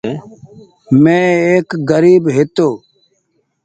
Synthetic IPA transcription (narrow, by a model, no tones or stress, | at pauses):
mẽːeːkɡəɾiːbɦet̪oː